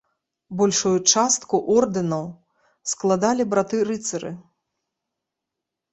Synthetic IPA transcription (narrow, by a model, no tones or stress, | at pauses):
bɔlʲʂujut͡ʂast̪kuʔɔrd̪ɨnɐw | sklˠad̪alʲibɾat̪ɨɾɨt̪sɐɾɨ̰